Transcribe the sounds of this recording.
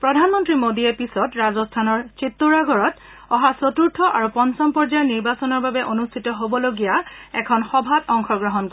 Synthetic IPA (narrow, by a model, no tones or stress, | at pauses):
pɹɔdʱanmɔntɹimodijɛpisɔtɹazɔstʰanɔɹt͡ʃitːuɹaɡɔɹɔt | ɔɦasotuɹtʰɔʔaɹupɔnsɔmpɔɹzaniɹbasɔnɔɹbabɛʔonustʰitɔɦobɔloɡijaɛkʰɔnxɔbʱatɔŋxɔɡɹɔɦɔnk